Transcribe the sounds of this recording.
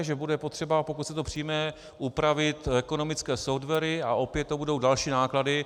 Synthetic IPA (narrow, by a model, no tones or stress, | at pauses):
ʒɛbudɛpo̞t̪r̥ɛbapo̞kut̪sɛt̪o̞pr̝̥ijmɛ | ʔupɾavɪt̪ɛko̞no̞mɪt͡skɛːsofdvɛɾɪaʔo̞pjɛt̪t̪ːobudo̞wdalʃiːnaːkladɪ